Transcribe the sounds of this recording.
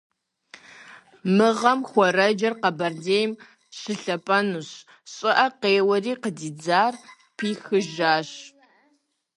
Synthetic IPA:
mɨʁɐmxʷɔɾɐd͡ʒɐrqɐbɐrdeːjm | ɕɪɬɐpʼɐnuɕ | ɕʼɪʔɐqeːwɐriːqədiːd͡zaːr | pʰiːxɨʒaːɕ

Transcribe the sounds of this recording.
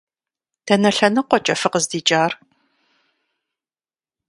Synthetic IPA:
tʰɐnɐɬɐnɨqʷɔt͡ʃʼɐfɨqəzdiːt͡ʃʼaːr

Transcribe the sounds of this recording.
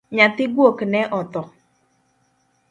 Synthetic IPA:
ɲat̪ɪɡwoknɛʔɔt̪ɔ

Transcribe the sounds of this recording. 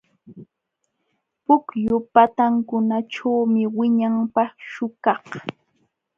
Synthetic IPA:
pʊkjʊpat̪aŋkʊnaʈ͡ʂawmɪwɪɲampɑχʃʊkɑχ

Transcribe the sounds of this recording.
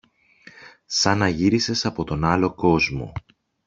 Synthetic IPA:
sɐnɐʝiɾise̞sɐpo̞t̪o̞nɐlo̞ko̞zmo̞̰

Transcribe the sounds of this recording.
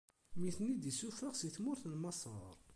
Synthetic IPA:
miθnid̪isufəʁsiθmʊɾθnmɑsˤə̰ɾˤ

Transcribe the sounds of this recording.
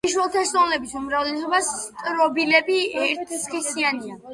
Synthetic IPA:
iʃwɛlˠt̪ʰaʃzɔnlɛbisumɾavlɛsɔbast̪ʼɾɔbilɛbiɛɾt̪ʰsχisiania

